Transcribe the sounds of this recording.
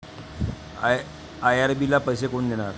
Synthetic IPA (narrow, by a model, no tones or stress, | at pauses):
ajaɾbilapəjs̬ekoɳd̪eɽ̃aɾ